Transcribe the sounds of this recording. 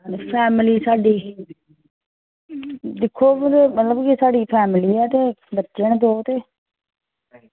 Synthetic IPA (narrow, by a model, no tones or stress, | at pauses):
pʰɛːmliːsaːɖiː | d̪ɪkʰːoːt̪emət̪ləbkɪsaːɖiːpʰɛːmliːɛːt̪eːbətːʃend̪oːt̪eː